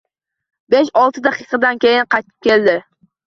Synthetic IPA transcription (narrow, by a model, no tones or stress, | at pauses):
be̞ʃɒlˠt̪ʰɪd̪ɑqʰɨqʰɑd̪ankʲe̞jɪnqʰɑjt̪ʰɪ̥p̚kʲʰe̞ld̪ɪ